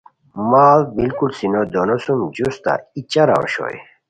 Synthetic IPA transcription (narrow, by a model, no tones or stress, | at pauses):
mabilkulsinod̪onosumd͡ʑust̪a̰it͡ɕaɾa̰o̰ɕo̰j